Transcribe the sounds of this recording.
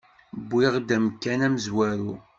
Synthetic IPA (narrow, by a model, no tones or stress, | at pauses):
bːɪʁd̪æmkːænæmzwæɾu